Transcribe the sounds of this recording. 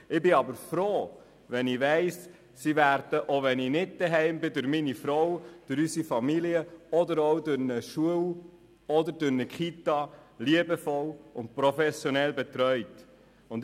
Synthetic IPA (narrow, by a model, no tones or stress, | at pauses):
ɪbɪɑbəɾfɾoː | ʋɛniʋɛɪs | siʋæɾd̥əʔoʋɛnɪnɪd̚d̥̪ɛɦɛɪmbɪdʊɾminifɾɔwd̥ʊɾysifɑmiliəɔdəɾɔwdʊɾnəʃuəw | ɔdəɾdʊɾnəkχitɑliəbəfɔlʊnt̚pɾɔfɛsjɔnɛlbɛt̪ɾœʏt | ʊnd